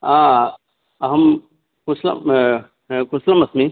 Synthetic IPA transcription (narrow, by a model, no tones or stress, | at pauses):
aː | ɐɦɐm | kʊslɐ̰ | kʊslɐmɐsmi